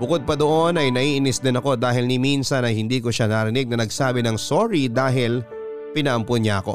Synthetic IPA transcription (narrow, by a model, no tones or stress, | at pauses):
bʊkod̪̚pɐd̪oʔo̞nɐjnɐʔiʔɪnɪsd̪ɪnɐko̞d̪aːɦɪlnɪminsɐnɐjhɪnd̪iːkoʃanaɾɪnɪɡ̚nɐnɐɡsaːbɪnɐŋsoɾid̪aːɦɪl | pɪnɐʔɐmpʊnɲaɐko̞̰